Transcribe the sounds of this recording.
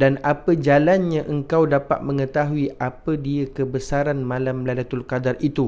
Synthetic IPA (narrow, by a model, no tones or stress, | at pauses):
danapəd͡ʒalanɲãʔəŋkawdapa̰t̪̚mə̃ŋə̃t̪aɦuiʔapədiəkəbəsaɾanmãlamladat̪ulkadarit̪u